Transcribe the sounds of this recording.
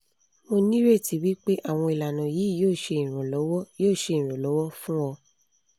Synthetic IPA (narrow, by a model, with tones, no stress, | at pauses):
mo˧nĩ˦ɾe˦˨ti˨˦wi˦k͡pe˦ʔa˦˨w̃ɔ̃˧i˨la˨nã˨jiː˨˦˨joː˦˨ʃe˧ĩ˨ɾ̃ɔ̃˨lɔ˨˦wɔ˦joː˦˨ʃe˧ĩ˨ɾ̃ɔ̃˨lɔ˨˦wɔ˦fũ˦wɔ˧